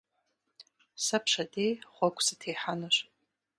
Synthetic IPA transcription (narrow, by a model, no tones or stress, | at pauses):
sapʰʂadejχʷakʷʰʼsatʰejħanɨʃʷ